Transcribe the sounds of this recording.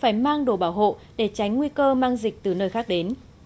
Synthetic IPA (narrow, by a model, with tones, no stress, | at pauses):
faː˧˩jmaː˧ŋɗo˧˩ɓaː˧˩wɦo̰˧˨ | ɗe˧˩t͡ɕa˨˦jŋ̟ŋwi˧kəː˧maː˧ŋzï˨˩k̚t̪ɨ˨˩nəː˧jxaː˦˥k̚ɗe˨˦n